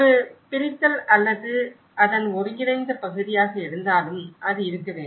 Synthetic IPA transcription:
ɾɯpɪɾɪt̪ːɐlɐlːɐðɯ | ʔɐðɐnɔɾɯjɪɽɐɪnd̪ɐpɐɣɯðɪjaːɣɐɛɽɯnd̪aːlɯmʔɐðɯɪɾɯkːɐʋeː

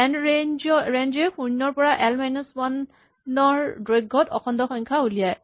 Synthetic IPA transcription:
ɛnɹenɔɹend͡ʒɛpʰunːɔɹpɔɹaʔɛlmajnuswan | ɔɹdɹojɡɔtɔ̰xʰɔndɔxɔŋkʰaulijaj

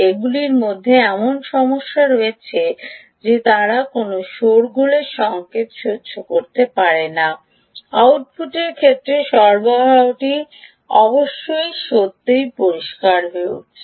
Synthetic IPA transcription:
eɡuliɾmod̪ʱːeɛmonʃɔmoʃːaɾoet͡ɕʰe | d͡ʑet̪aɾakonoʃoɾɡuleʃɔŋket̪ʃodːɕokoɾt̪epaɾena | awʈ̚fuʈeɾkʰet̪ːɾeʃɔɾbaɦawʈi | ɔboʃːojʃot̪ːejpoɾiʃkaɾɦoeṵ

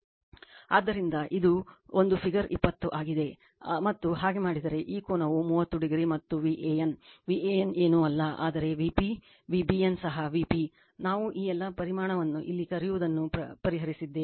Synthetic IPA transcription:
a̰ːd̪ːɐɾind̪ɐʔid̪uond̪upʰiɡɐɾipːɐt̪ːuʔaːɡid̪e̞ | mɐt̪ːuɦaːɡe̞maːɽid̪ɐɾe̞ʔiːkoːnɐʋumuːʋɐt̪ːuɖiɡɾimɐt̪ːuʋiːʔeːjɐnʋiːeːjɐneːnuɐlːɐʔa̰ːd̪ɐɾe̞ʋipi | ʋiːbiɐnsɐɦɐʋipi | naːʋuʔiːɛlːɐpɐɾimaːɳɐʋɐnːuʔilːikɐɾijuʋud̪ɐnːuɐpɐɾiɦɐɾisid̪ːe

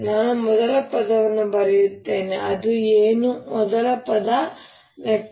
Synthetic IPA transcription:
naːnumɔd̪ɐlɐpɐd̪ɐʋɐnːubɐɾijut̪ːe̞ːneʔɐd̪ueːnumɔd̪ɐlɐpɐd̪ɐ | ʋjɐk̚

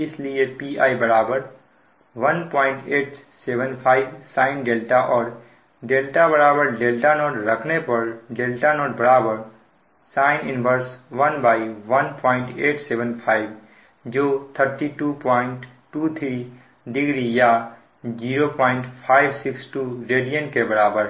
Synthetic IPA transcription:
ɪslijepiaːibəɾaːbəɾ | ʋənpɔɪɳʈeːʈsebənpʰaɪbsaːɪnɖelʈaʔɔːɾ | ɖelʈabəɾabəɾɖelʈanoːʈɾəkʰnepəɾɖelʈanoːʈbəɾabəɾ | saɪnɪnbʱəɾsʋənbaːiʋənpɔːɪ̃ɳʈeːʈsebənpʰaːɪb | d͡ʒoːt̪ʰəɾʈiʈupɔɪɳʈʈːut̪ʰɾi | ɖɪɡɾija | d͡ʒiːɾopɔːɪ̃ɳʈpʰaːɪbsɪksʈuɾeɖijənkebəɾaːbəɾ

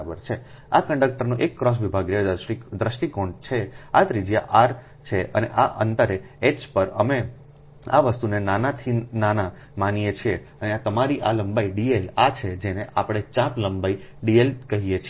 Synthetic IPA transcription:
abəɾt͡ʃʰe | akəɳɖək̚ʈəɾnoʔekːɾɔs̬ʋibʱaɡɾaid̪ɾəʃʈikõɳɖt͡ʃʰeat̪ɾid͡ʒijaʔaɾ | t͡ʃʰeʔə̰nḛʔaʔə̰nt̪əɾe | et͡ʃpəɾəme | a̰ʋəst̪unenanat̪ʰinana | manijet͡ʃʰie | əneat̪əmaɾiʔaləmbaiɖielat͡ʃʰed͡ʒeneʔapɽ̃et͡ʃãpləmbaiɖielkəɦijet͡ʃʰi

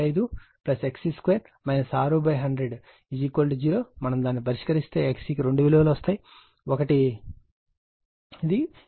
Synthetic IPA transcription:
ɐjd̪uplɐseksiːskʋeːɾ | mɐjnɐsaːɾuːbɐjɦɐɳɖɾeɖ | id͡ʒiːkolʈd͡ʒiːɾo̞ːmɐnɐmd̪aːnːipɐɾiʂkɐɾist̪e̞ːeksiːkiɾe̞ɳɖuʋilɐʋɐlʋɐst̪aːji | ɔkɐʈi | id̪i

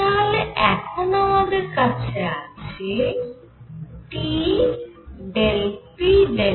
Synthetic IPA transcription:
alɛkʰonamad̪eɾkat͡ɕʰeat͡ɕʰi | ʈi | ɖelpide

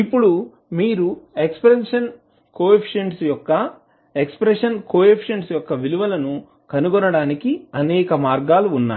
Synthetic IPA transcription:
ipːuɽu | miːɾuekspɾenʂɐn | koːepʰi̥ʃɐɳʈsjɔkːɐ | ekspɾeʂɐnkoːepʰiʃɐɳʈsjɔkːɐʋiluʋɐlɐnu | kɐnuɡɔnɐɽaːnikiɐnɛːkɐmaːɾɡaːluːnːa̰ː

